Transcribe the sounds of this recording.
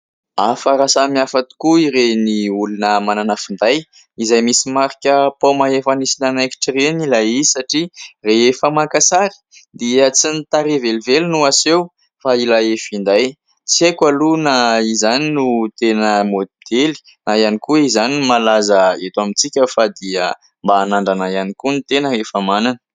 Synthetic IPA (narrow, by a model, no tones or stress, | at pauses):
afəɾasamiafat̪i̥kuiɾeniulunəmananafind̪aj | izajmisimaɾikʲəpomaefanisinanajki̥ʈ͡ʂrenilajisaʈ͡ʂireefəmakasaɾi̥d̪iət͡sinit̪aɾevelivelunuasew | failaefind̪aj | t͡siekwalunaizaninut̪enəmod̪̥eli̥ | najanikuizaninumalazəet̪wamit͡sikʲəfad̪iə | mbaːnaɳɖ͡ʐanajanikunit̪enəɦefəmananə̥